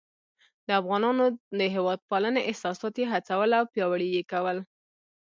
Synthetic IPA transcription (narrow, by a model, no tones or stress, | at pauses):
d̪əafɣɑnɑnod̪əɦewɑd̪̚pɑləneʔɪhsɑsɑt̪jeɦat͡sawəlawpjɑwəɽijekawəl